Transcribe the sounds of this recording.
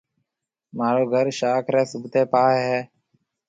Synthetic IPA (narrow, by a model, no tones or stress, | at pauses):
maːɾoːɡʱəɾʃaːkʰɾeːsʊbt̪eːpaːɦɛː